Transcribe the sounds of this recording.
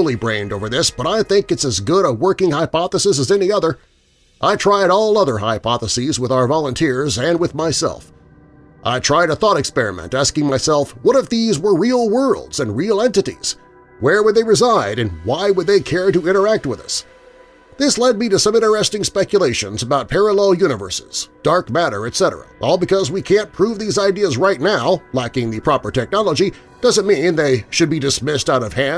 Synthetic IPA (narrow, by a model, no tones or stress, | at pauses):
lˠibɹẽɪ̃ndoʊvə˞ðɪsb̥ʌɾaɪθɪ̃ŋkɨtsɨzɡʊɾəwɜ˞kɪ̃ŋhaɪpɑθəsɨs̬əzɛniʌðə˞ | ʔaɪtʰɹ̥aɪɾɔlˠʌðə˞ɦa̰ɪpʰɑθəsizwəðaʊə˞vɑlˠə̃ntʰɪɹzɨ̃nwɨðmaɪsɛ̰lˠf | ʔa̰ɪtʰɹ̥aɪɾəθɔɾɨkspɛɹɨ̰mɛ̰̃ntæskɪ̃ŋmaɪsɛlˠfwʌɾʌvðizwə˞ɹil̩ˠwɜ˞lˠdz̥ɨ̃nɹilˠɛ̃ntɨɾḭz̥ | wə˞wəd̪̚ðeɪɹɨzaɪɾɨ̃nwaɪwəd̪̚ðeɪkʰɛɹɾɨɪ̃ɾ̃ə˞æk̚t̚wɨðʌ̰s | ðɪslɛd̚miɾɨsʌ̃mɪ̃ɾ̃ə˞ɛstɪ̃ŋspɛkjɨleɪʃɨ̃nzəbaʊt̚pʰɛɹəlɛlˠjʉñɨvɜ̰˞sɪz̥d̥ɑɹkmæɾə̰˞ɨtsɛɾə̰˞ə̰ʔɔlˠbɨkʰʌzwikʰæ̃npʰɹ̥uvðizaɪdiəzɹaɪtⁿnaʊlækɪ̃ŋðɨpʰɹ̥ɑpə˞tʰɛk̚nɑlˠəd͡ʒi | d̥ʌzɨ̃tmĩnðeɪʃɨd̚bidɨsmɪstaʊɾʌv̥hæ̃n